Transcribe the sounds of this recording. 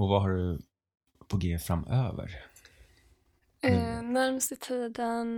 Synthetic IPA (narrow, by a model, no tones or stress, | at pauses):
ɔvaɦaɖɵ | pʰɔɡeːfɾamøːvə̰ɾ | malmst̪ət̪ʰiːd̪ən